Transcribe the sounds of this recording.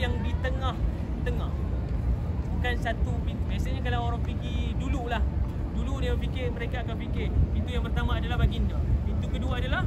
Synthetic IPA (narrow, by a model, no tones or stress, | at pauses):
jaŋdit̪əŋah | t̪əŋah | bukansat̪upint̪ubiasaɲakalaoɾaŋpiɡidululah | duludaəpikɪrməɾekaːkanpikɪrpint̪ujaŋpərt̪amãːdalahɦbaɡindapint̪ukəduaːdalah